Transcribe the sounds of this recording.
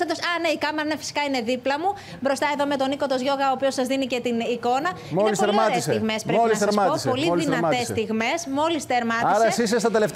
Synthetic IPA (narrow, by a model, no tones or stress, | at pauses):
sɐd̪osɐneikɐmeɾɐnefi̥si̥kɐine̞ðiplɐmu | bɾo̞st̪ɐe̞ðome̞t̪o̞niko̞t̪o̞zʝo̞ɣɐoːpio̞sɐzðinice̞t̪iniko̞nɐmioelispoelɾmɐt̪eisiɣmespɾeoilisseɾmɐt̪oispo̞liðinɐest̪iɣme̞smo̞list̪eɾmɐtiɐsɾɐsisest̪ɐt̪eleft̪